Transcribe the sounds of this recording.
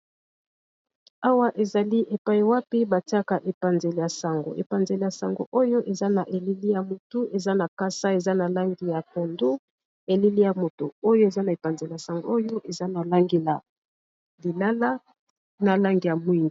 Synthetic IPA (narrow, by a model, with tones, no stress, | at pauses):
a˦wa˦ʔe˨za˨li˦ʔe˨pa˦ji˨wa˦pi˦ba˨ti˦a˦ka˨ʔe˨pa˨nze˨le˨ja˨sa˨ŋɡo̰˨ḛ˨pa˨nze˨le˨ja˨sa˨ŋɡo̰˨ʔo˦jo˦ʔe˨za˦na˨ʔe˨li˦li˦ja˨mo˨tu˦ʔe˨za˦na˨ka˦sa˦e˨za˦na˨la˦ŋɡi˨ja˨ko˨ndo˦ | e˨li˦li˦ja˨mo˨to˨o˦jo˦e˨za˦na˨e˨pa˨nze˨le˨ja˨sa˨ŋɡo̰˨o˦jo˦ʔe˨za˦na˨la˦ŋɡe˨la˨ | li˨la˦la˦ | na˨la˦ŋɡi˨ja˨mwi˦˨ŋɡi˨